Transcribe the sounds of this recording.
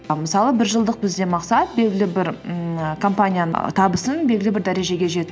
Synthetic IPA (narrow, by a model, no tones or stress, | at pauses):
məsɑlˠəbɪɾʒəlˠd̪əq̚bɪzd̪e̞mɑqsɑt̪̚be̞lʲɡʲɪlɪbɪɾkʰo̞mpanʲijanət̪ʰɑbəsənbe̞lʲɡʲɪlɪbɪɾd̪æɾe̞ʒe̞ɡʲe̞ʒe̞t̪